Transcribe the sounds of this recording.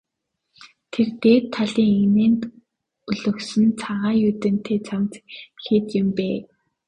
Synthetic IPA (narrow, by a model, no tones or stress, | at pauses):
t̪ʰert̪eːt̪ʰːaɮiːŋeneːnt̪ | ɵɮɵ̆ksɵ̆nt͡sʰaʁaːjut̪ɘ̆nt̪ʰeːt͡sʰamt͡sxeːt̪jɪ̆mpeː